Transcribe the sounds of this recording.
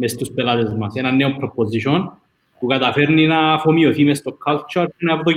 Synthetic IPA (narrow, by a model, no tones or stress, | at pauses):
mest̪uspelɐt̪ezmɐsenɐnːeopɾopoziʃon | pukɐt̪ɐfeɾninɐfomioθimest̪okʰːɐlt͡ʃɐɾtunɐɐpot̪o